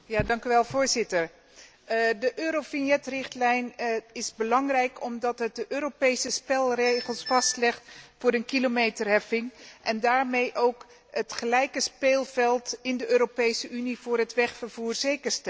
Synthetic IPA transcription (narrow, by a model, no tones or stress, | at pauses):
jaːdɑŋkyʋɛlˠvʊːɹzɪtəɹ | dəʔøːɾofinjɛtrɪχtlɛjnɪzbəlɑŋrɛjkʰɔmdɑtɦət̚dəʔøːɾopejsəspɛlˠrejχəlˠsfɑstlɛχtfʊːɾənkilomejtərɦɛfɪŋʔɛndaːɹmejʔowk | ətχəlɛjkəspeːlˠvɛlˠtɪndəʔøːɾopejsəʔyniv̥ʊːɹɦətʋɛχfəɹv̥uːɹzejkəɹstɛ